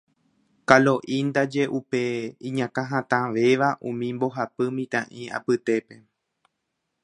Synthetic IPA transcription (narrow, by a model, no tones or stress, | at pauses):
kalo̞ʔĩnd̪ad͡ʒe̞ʔupe̞ĩɲãkãɦãt̪ãʋe̞ʋaʔũmĩmbo̞ɦapɨmĩt̪ãʔĩa̰pɨt̪e̞pe̞